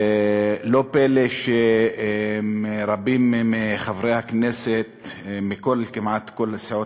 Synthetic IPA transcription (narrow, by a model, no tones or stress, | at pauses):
lopeleʃe | meɾabimmiχavɾejhakneset̪mikolkimʕat̪ko̞laseʕo